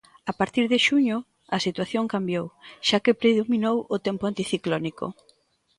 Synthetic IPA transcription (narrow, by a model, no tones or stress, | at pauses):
apaɾt̪iɾðɪʃuɲʊ | ɐsit̪waθjoŋkambjowʃakepɾeðominowʊt̪ɛmpʊant̪iθiklɔniko̰